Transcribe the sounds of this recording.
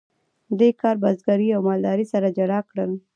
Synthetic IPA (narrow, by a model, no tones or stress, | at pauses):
d̪ekɑɾbazɡaɾiawmɑld̪ɑɾisaɾad͡ʒaɽɑkɽəl